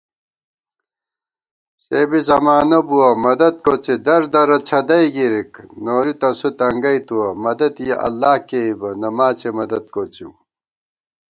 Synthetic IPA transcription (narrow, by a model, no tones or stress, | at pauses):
seːbizɐmaːnɐbuɐmɐd̪ɐd̪̚kot͡ɕed̪ɐɾd̪ɐɾɐt͡ɕʰɐd̪ɐjɡiɾiknoːɾit̪ɐsut̪ɐŋɡɐjt̪uwɐmɐd̪ɐd̪jeʔɐ̰lːaːhkeibɐnɐmaːt͡ɕemɐd̪ɐd̪̚kot͡ɕi